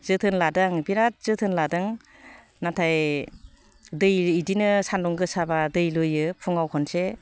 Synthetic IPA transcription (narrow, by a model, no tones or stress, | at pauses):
zɯtʰɯnladaŋbiɾat̚z̥ɯtʰɯnladɯŋ | natʰaj | dɯjidinɯsandɔŋɡɯsabadɯjlujɯpʰuŋawkʰɔnse